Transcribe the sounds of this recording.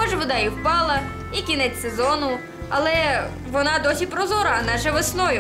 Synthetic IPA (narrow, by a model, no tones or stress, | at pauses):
ɔʒʋɔd̪ɑjiwpɑlˠɐ | ikʲinɛt͡sʲsezɔnʊ | ɐlˠɛ | ʋɔnɑd̪ɔsʲipɾɔzɔɾɐnɑʃɛʋesnɔjʊ